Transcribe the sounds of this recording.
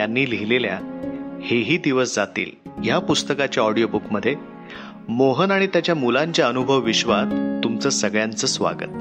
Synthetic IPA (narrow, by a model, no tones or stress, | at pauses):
janːiːliɦilelja̰heɦiːd̪iʋəsd͡zat̪ḭːljapust̪əkat͡ɕjaɔɽijobukməd̪ʱːje | moɦənaɽ̃it̪jat͡ɕjamulaɲt͡ɕjaənubʱəʋːiɕʋat̪ːumt͡səːsəɡɭjant͡səːsʋa̰ɡə̰t̪̚